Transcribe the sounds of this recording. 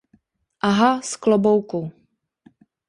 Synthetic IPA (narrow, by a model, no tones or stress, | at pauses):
ʔaɦasklobowku